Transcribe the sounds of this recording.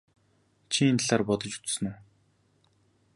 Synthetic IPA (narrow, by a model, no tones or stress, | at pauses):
t͡ɕʰint̪ɮaːrpɔt̪ɞ̆t͡ɕu̥t͡ssɵ̆nu